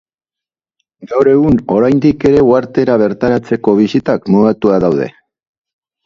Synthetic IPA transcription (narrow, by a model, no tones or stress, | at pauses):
ɡawɾe̞ɣuno̞ɾajnd̪ike̞ɾe̞waɾt̪e̞ɾaβ̞e̞ɾt̪aɾat͡se̞ko̞β̞isit̪akmuðat̪uaðawðe̞̰